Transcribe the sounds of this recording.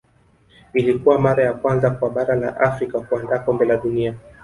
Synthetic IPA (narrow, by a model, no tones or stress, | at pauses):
ilikuwamaɾajakwanzakwaɓaɾala̰ʔafɾikakuandaːkɔmbɛlaɗunia